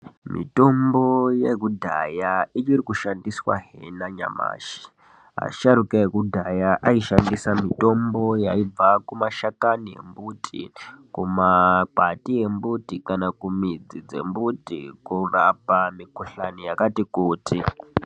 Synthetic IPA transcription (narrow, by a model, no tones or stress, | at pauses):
mḭto̞mbojeɡudʱa̰jait͡ʃirikuʃandiswa̰ɦḛnaɲa̰ma̰ːʃi̥ | ɦa̰ʃaɾukaeɡudʱajaʔaiʃandisamito̞mbo̞jaib͡vakumaʃakanije̞̰mbutʰḭkumapatie̞mbutikanakumid͡zid͡ze̞̰mbutḭkurapamikuɬanijakatikuːti